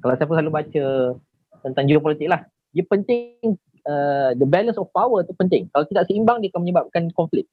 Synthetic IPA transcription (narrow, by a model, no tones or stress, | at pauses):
kalawsaapəsalubat͡ʃə | t̪ənt̪aŋd͡ʒuɡap̬ɔlit̪ɪk̚lah | diapənt̪ɪŋ | ədəbɛlənsɔfpawət̪upənt̪ɪŋkalat̪idaʔsəimbaŋdiakaməɲəbap̚kankɔɱflɪk̚